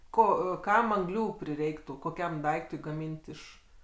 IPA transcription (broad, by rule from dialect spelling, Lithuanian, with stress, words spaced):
ˈkoː ˈkɐm ɐŋˈɡlʲuː pʲrʲɪˈrʲɛɪktuː koːˈkʲɛm ˈdɐɪktʊɪ ɡɐˈmʲiːnʲtʲ ɪʃ